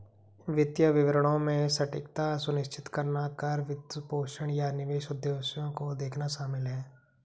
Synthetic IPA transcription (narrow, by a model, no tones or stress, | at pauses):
ʋɪt̪jəʋɪʋɾəɽ̃õmẽsɐʈɪ̰kt̪asʊnɪʃt͡ʃɪt̪kəɾnakɐɾʋɪt̪poːʃəɽ̃janɪʋeːʃʊd̪jeːsjõkod̪eːkʰnaʃaːmɪlɦɛː